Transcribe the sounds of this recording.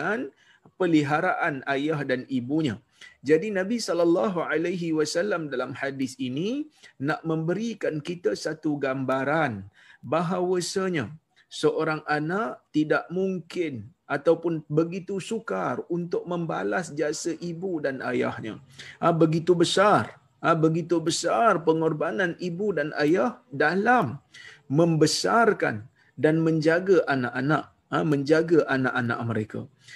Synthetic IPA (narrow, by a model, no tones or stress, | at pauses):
an | pəliɦaɾaʔanajahdanibuɲã̰ | d͡ʒadinãbisɔlɔlːɑɦuʕalaɦiwasalːamdalamhadɪθininaʔmə̃mbəɾikankit̪asat̪uɡambaɾan | baɦawəsəɲã | səʔoɾaŋanaʔt̪idaʔmuŋkɪnʔat̪awpʊnbəɡit̪usukarunt̪ʊk̚mə̃mba̰lasd͡ʒiasəʔibudana̰ja̰hɲə̰ | bəɡit̪ubəsar | əbəɡit̪ubəsarpəŋɔrbananibudana̰jahdalamːə̃mbəsarka̰n | danmə̃ɲd͡ʒaɡaʔanaʔana̰ʔ | amə̃ɲd͡ʒaɡaʔanaʔana̰ʔməɾeka̰